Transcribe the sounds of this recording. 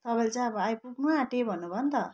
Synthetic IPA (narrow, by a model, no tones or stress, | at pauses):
t̪ʌbajlt͡sajʌbʌajpuknuaʈebʱʌnːubʱʌnt̪ʌ